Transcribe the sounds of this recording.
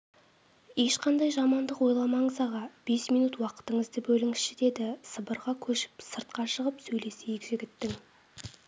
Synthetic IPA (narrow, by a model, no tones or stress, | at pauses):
je̞ʃqɑnd̪ɑjʒɑmɑnd̪əqwo̞jlˠɑmɑɴəzɑʁɑb̥e̞smijnut̪wɑqə̥t̪əɴəzd̪əbɵlɪŋɪsʃɪd̪e̞d̪ɪsəbəɾʁɑkʲʰɵʃɪ̥psəɾt̪̚qɑʃəʁəpsɵjle̞sejɪkʒɪɡʲɪt̪ːɪŋ